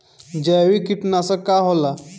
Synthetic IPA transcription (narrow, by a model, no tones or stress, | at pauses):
d͡ʑɛʋikiʈnasəkaɦɔla